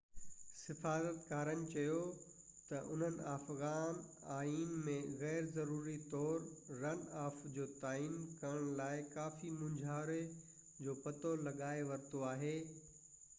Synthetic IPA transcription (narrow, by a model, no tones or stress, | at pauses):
sɪfaːzət̪kaːɾənɪ̆t͡ɕɐjo | t̪ɐʔʊn̤ənɪ̆aːfɣaːnaːiːnmẽɣɛːɾzɐɾuːɾit̪ɔːɾːɐnaːfd͡ʑoːt̪aːiːnkɐɾəɽ̃laːɪkaːfimʊ̃ɲd͡ʑʱaːɾe | d͡ʑoːpɐt̪olɐɠaːeʋɐɾt̪oaːɦeː